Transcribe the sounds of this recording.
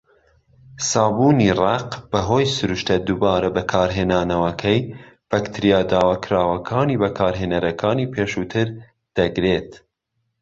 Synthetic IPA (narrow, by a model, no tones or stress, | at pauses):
sɑːbuːniːrɑqb̥ɐɦoːjsʊɾuʃt̪ɐd̪uːbɑːɾɐbɐkʰɑːɾɦeːnɑːnɐwɐkʰɛjb̥ɐkt̪ʰɨɾijɑːd̪ɑːwɑkʰɾɑːwɐkʰɑːniːbɐkʰɑːɾɦeːnɐɾɐkʰɑːniːpʰeːʃuːt̪ʰɨɾ | d̪̥ɐɡɾeːt̪